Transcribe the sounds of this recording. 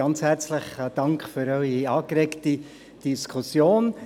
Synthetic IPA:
ɑnt͡shɛɾt͡sləχd̥ɑŋkχføɾœʏiɑːkɾɛkti | d̥iskʰusjoːn

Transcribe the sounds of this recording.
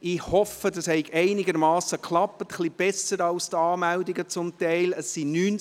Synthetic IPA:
ɪhɔfədɑshɛɪɡɛɪnɪɡəɾmɑːsəkʰlɑpːət̪χlib̥ɛsəɾɑlst̪ɑːmældiɡət͡sʊmtɛɪləsːinyːn

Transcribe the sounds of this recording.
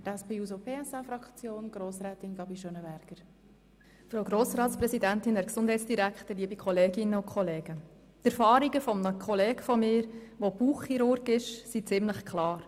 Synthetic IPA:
tɛspeːuːzopʰeːɛsɑfɾɑkt͡sjoːnɡ̥ɾoːsɾɛːt̪ɪnɡɑbiʃøːnəbæɾɡ̥əɾ | fɾowɡɾoːsɾɑːtspɾɛszidænt̪ɪnɛɾksʊnd̥ɦɛɪtsd̥iɾækχtəliəbikʰχɔleːɡɪnːəʊnkʰχɔleːɡ̥ə | t̪ɛɾfɑːɾiɡəfɔmənəkʰɔlɛːɡ̥fɔmɪːɾʋob̥uːχːiɾʊɾɡɪʃsit͡sɪmləχkʰlɑːɾ

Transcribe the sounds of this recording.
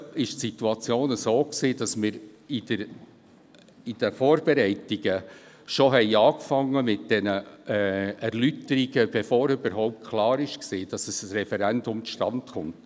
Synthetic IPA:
ɪʃtsituɑt͡sjoːnəsoːksiːd̥ɑsmɪːɾid̥əɾ | id̥əfoːɾb̥ɛɾɛɪtiɡ̥ə | ʃoɦɛɪɑːkfɑŋːəmɪt̚d̥ɛnəɛæɾlytəɾiɡ̥əb̥ɛfoːɾybəɾɦɔʊp̚t̚kʰlɑːɾɪʃksiːd̥ɑsəsɾɛfɛɾɛndʊmʃtɑntχʊnt

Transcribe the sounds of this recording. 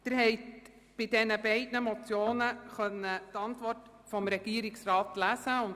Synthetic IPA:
d̪̥ɪɾhɛɪt | b̥ɪdɛnəbɛɪdnəmɔt͡sjoːnəχœnːət̪ɑntʋɔrt | fɔmɾɛɡ̥iːəɾɪksrɑːtlæsəʊn

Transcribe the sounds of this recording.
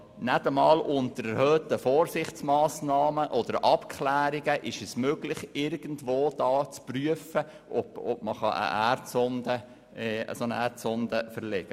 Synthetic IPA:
nætəmɑːlʔʊnt̪əɾɛɾhœːtəfoːɾsɪχt͡smɑːsnɑːməʔɔd̥̪əɾʔɑpkʰχlæːɾiɡəʔɪʃɛsmøɡ̥lɪχɪɾɡ̥ən̩tvoːd̥ɑːt͡spryəfə | ʔɔbɔb̥məχɑ̰ʔə̰ʔæɾtsɔnd̪ə | ə̰sonəæɾtt͡sɔnd̪əfəɾlɛɡ̥ə

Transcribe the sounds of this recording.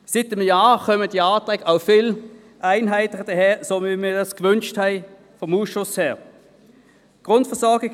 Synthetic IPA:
sɪt̪ːəməjɑːxœmət̪jɑːt̪ʁɛkːɑʊfɪl | ʔæɪnɦæɪt̪əʁəd̪əheːsɔmɪmɪd̪ɑskʋʉnʃt̪hæɪ | fɔmuːʃʊsheːʁ | ɡ̥ʁʊnt̪fɔsɔɡə

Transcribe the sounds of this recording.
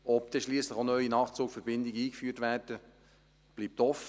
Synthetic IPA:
ɔpd̥̪ɛʃliːəsləχonœʏinɑːχt͡suːkfɛɾbɪndɪɡəiːkfyːtʋæːrd̥ə | b̥liːp̚tɔfə

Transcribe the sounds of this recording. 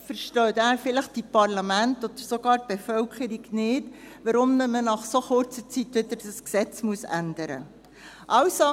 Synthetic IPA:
fəɾʃtœːt̪æːɾfɪləχd̥ipɑɾlɑmæntod̥̪əɾsoɡ̥ɑːɾt̚b̥ɛfœlkχəɾiɡnɪːd | ʋɑɾʊmːəmənɑχsoχʊɾt͡sət͡sitʋɪd̪əɾd̥əsksɛt͡smuəsændəɾə̰ | ʔɑwso

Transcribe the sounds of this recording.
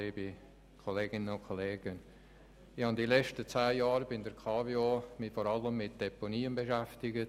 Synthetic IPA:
liːbi | kʰoleːɡ̥ɪnənʊnkʰoleːɡ̥ən | ɪhɑndilɛt͡ʃtət͡sæːjɑːɾbɪndəɾkʰɑːvjomifɔɾɑləmːɪt̚d̥ɛponiːənbeʃæftɪɡət

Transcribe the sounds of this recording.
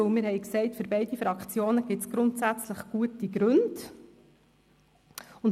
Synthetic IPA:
mɪːɾhɛjksɛɪtfʏɾbɛɪdifɾɑkχt͡sjoːnəɡ̥ɪtt͡sɡ̥ɾʊntsæt͡sləχɡ̥uətiɡɾʉnd̥ | ʊn

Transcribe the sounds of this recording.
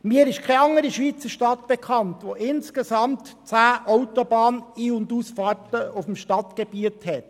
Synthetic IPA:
miəɾɪʃkʰɛɑŋəɾiʃʋiːt͡səɾʃtɑtb̥ɛkʰɑntʋoʔɪnsɡ̥esɑmtt͡sæːʔɔʊtobɑːniːʊndusfɑːrtəʊfmʃtɑtɡ̥eb̥iəthɛt

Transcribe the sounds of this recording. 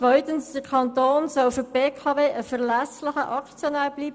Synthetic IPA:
ʋœʏt̪ənsd̥əɾkʰɑnt̪oːnsɔlføb̥eːkʰɑːveːʔəfəʁlæslɪχəʔɑkt͡sjonæːb̥liːb

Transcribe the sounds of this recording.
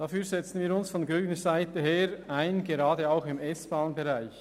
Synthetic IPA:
d̥afyːɾzɛt͡sn̩viːɾʊnsfɔnɡɾyːnəɹzaɪtəheːɾaɪnɡeɾɑːdəaʊxɪmɛsb̥aːnbeʁaɪç

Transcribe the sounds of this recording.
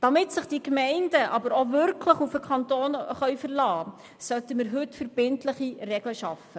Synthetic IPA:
d̥ɑmɪtsɪχd̥ikmɛɪndəʔɑbəɾovʏɾkʰləχufəkʰχɑntoːnχœɥfərlɑː | sœtəməɾɦɵtfəɾb̥ɪntləχirɛɡ̥ləʃɑfə

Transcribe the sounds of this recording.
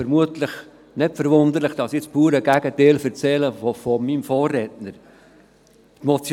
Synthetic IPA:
fəɾmuətləχ | nɪtfəɾʋʊnd̪əɾləχd̪̥ɑsɪt͡spuːɾəɡæɡəteːlfəɾt͡sɛləfofɔmimfɔːrːɛtnəɾ | t̪mɔt͡sj

